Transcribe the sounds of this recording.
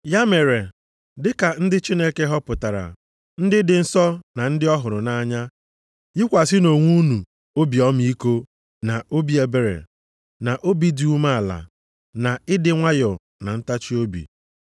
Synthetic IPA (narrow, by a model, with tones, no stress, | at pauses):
ja˦me˨ɾe˨ | dɪ˦ka˨n̩˦dɪ˦t͡ʃi˦ne˦ke˦ɦɔ˦pʊ˨ta˨ɾa̰˨ | n̩˦dɪ˦dɪ˨n̩˦sɔ˦na˨n̩˦dɪ˦ɔ˦ɦʊ˨ɾʊ˨na˦ɲa˦ | jɪ˦kʷa˨sɪ˦no˨ŋʷu˦nu˨ | o˦bi˨ɔ˦m˦i˦ko˦ | na˨o˦bi˦e˨be˨ɾḛ˨ | na˨ʔo˦bi˦di˨˦u˦ma˦a˨la̰˨ | na˨ɪ˦dɪ˨ŋʷa˦jʊ˨ | na˨n̩˦ta˦t͡ʃi˦o˦bḭ˨